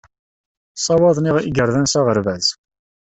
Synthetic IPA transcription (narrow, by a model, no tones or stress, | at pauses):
sˤɑwɑðˤniʁiɡəɾðænsæʁəɾvæz